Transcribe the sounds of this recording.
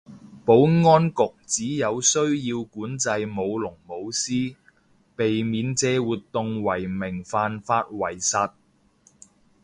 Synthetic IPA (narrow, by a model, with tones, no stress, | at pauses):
po˨˥wŋɔː˥nkʊ˨k̚t͡siː˨˥jɐ˨˧wsɵ˥ɥjiː˧wkuː˨˥nt͡sɐ˧jmo˨˧wlʊ˨˩ŋmo˨˧wsiː˥ | pe˨jmiː˨˧nt͡sɛː˨˧wuː˨t̪ʊ˨ŋwɐ˨˩jmɪ˨˩ŋfaː˧nfaː˧t̚wɐ˨˩jsɐ˧t̚